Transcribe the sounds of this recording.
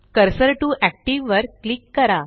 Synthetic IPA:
kəɾsəɾʈuʔæk̚ʈiʋʋəɾklikːəɾa

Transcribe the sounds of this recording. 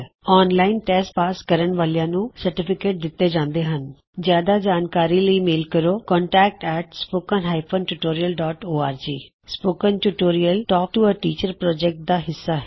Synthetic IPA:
ɔːnlaːɪnʈɛːsʈpaːskəɾəɳʋaːljãːnũːsəɾʈɪpʰɪkeːʈ̚d̪ɪt̪ːeːd͡ʒãːnd̪eːɦən | d͡ʒjaːd̪aːd͡ʒaːnkaːɾiːləiːmeːlkəɾoːkɔ̃ːɳʈɛːk̚ʈɛːʈspoːkənɦaːipʰõːnʈuʈoːɾijəlɖɔːʈoːaːɾd͡ʒiː | spoːkənʈuːʈoːɾijəlʈɔːk̚ʈuːəʈiːt͡ʃəɾpɾɔːd͡ʒɛk̚ʈ̚d̪aːɦɪsːaːɦɛ

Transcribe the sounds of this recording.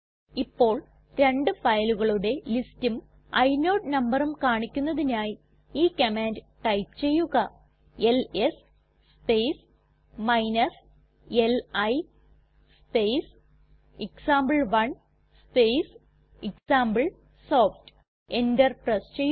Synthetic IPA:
ipːo̞ːɭ | ɾe̞ɳɖɨfɐjluɣɐɭuɽe̞listum | ɐjno̞ːɖnɐmbɐrumkaːɳikʲːunːɐðinaːji | iːkɐmaːndɨʈɐjpt͡ɕe̞jːuɣɐ | e̞les | spejs | mɐjnɐs | elɐj | spejs | iksaːmbɐɭʋɐɳ | spejs | iksaːmbɨɭ | so̞ːfʈ | endɐrprɐst͡ɕejːu

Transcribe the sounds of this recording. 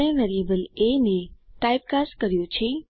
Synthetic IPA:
ẽʋeɾiəbəlenekajp̚kaskəɾjũt͡ʃʰe

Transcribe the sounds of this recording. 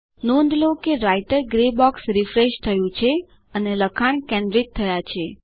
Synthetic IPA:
nõnd̪lokeɾaiʈəɾɡɾebɔksɾifɾeʃt̪ʰəjũt͡ʃʰe | əneləkʰaɳ̃kɛ̃nɖɾit̪ʰːəjat͡ʃʰe

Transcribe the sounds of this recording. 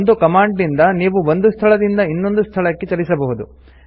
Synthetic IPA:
nd̪ukɐmaːɳɖnind̪ɐniːʋuond̪ust̪ʰɐɭɐd̪ind̪ɐinːo̞nd̪ust̪ʰɐɭɐkːet͡ʃɐɾisɐbɐɦud̪u

